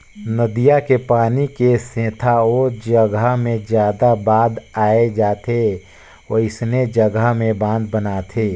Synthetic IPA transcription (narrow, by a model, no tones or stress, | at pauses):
nəd̪ijakepaːnikesẽːt̪ʰaoːd͡ʒəɡamẽd͡ʒjaːd̪abaːd̪aːed͡ʒaːt̪ʰe | oɪsned͡ʒəɡamẽbãːnd̪bənat̪ʰeː